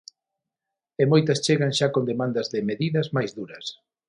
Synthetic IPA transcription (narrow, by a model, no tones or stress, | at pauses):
emojt̪ɐst͡ʃeɣanʃakond̪emãnd̪ɐzðɪmeðiðɐzmajzðuɾɐs